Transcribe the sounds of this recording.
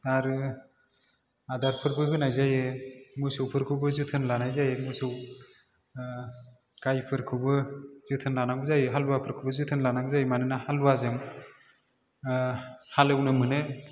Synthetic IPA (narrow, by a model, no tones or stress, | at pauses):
aɾɯ | adaɾpʰɯɾbɯhɯnajzajɯmujsɯwpʰɯɾkʰɯbɯzɯtʰɯnlanajzajemujsɯw | kajpʰɯɾkʰɯbɯz̥ɯtʰɯnlanaɡɯzajɯɦalwapʰɯɾkʰɯbɯzɯtʰɯnlanaɡzajmanɯnahaluwazɯŋ | halɯwnɯmɯnɯ